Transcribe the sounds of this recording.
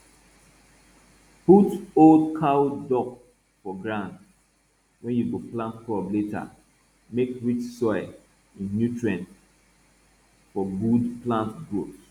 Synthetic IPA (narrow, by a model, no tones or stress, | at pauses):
putoldkʰawdɔk | fɔɡɹãnd | wɛ̃njuɡoplãntkʰɔbleta̰ | mekɹit͡ʃsɔɪ | ĩnːjutɹiɛ̃nt | fɔɡudplãntɡɹots